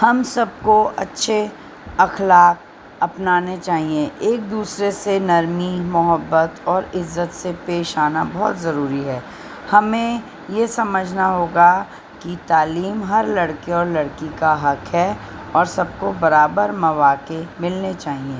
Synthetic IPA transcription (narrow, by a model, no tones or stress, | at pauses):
hɐmsɐb̚koɐtːʃʰe | ɐxlaːk̚ | ɐpnaːnet͡ʃaːɦieʔeːk̚d̪uːsɾesenɐɾmimʊɦəbːət̪ɔːɾɪzːət̪sepeːʃaːnabɔɦɔt̪zɐɾuːɾiɦɛː | hɐmẽ | jesɐməd͡ʒʱnaɦoːɡa | kit̪aːliːmɦɐɾlɐɽkeɔːɾlɐɽkikaɦɐkɦɛ | ɔːɾsɐb̚kobɐɾaːbəɾmɐʋaːkemɪlnet͡ʃaːɦieː